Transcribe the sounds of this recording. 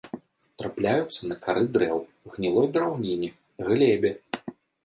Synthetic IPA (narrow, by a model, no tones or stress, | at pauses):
t̪ɾaplʲajut̪sːɐnɐkaɾɨd̪ɾɛw | ɣnʲilˠɔjd̪ɾawnʲinʲi | ɣlʲɛbʲɛ